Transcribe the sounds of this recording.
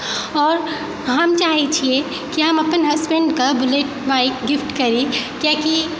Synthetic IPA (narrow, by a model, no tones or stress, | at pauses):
ɔːɾ | ɦɐmt͡ʃaːɦit͡ʃʰie | kiɦɐmɐpənɦɐzbẽɳɖkabʊleʈbaɪkɡɪfʈkɐɾikjãki